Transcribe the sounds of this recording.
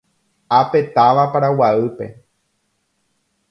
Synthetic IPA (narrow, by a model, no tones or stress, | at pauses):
ape̞t̪aʋapaɾawaɨpe̞̰